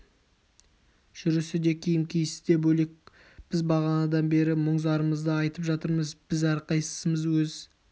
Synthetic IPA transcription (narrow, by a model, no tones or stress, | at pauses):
ʒ̥ʏɾɪsɪd̪e̞kʲʰijɪmkʲʰijɪsɪzd̪e̞bɵle̞k̚ | b̥ɪzbɑʁɑnɑd̪ɑnbe̞ɾɪmoɴzɑɾəməzd̪əɑjt̪əpʒɑt̪əɾməzb̥ɪzɑɾqɑjsə̥səməzwɵz